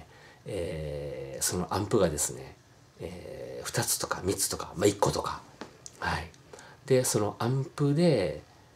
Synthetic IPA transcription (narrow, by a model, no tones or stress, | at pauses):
eː | so̞no̞ʔãmpɯ̟ɡad̪e̞sɨne̞̰ | eːɸɯ̥t̪at͡sɨ̥t̪o̞kamʲit͡sɨ̥t̪o̞kamaikːo̞t̪o̞kahai | d̪e̞so̞no̞ʔãmpɯ̟d̪e̞